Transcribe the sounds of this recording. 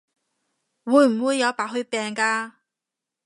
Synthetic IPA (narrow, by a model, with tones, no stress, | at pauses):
wuː˨˧jm̩˨˩wuː˨˧jːɐ˨˧wpaː˨˥ɦɵ˧ɥpɛː˨ŋkaː˧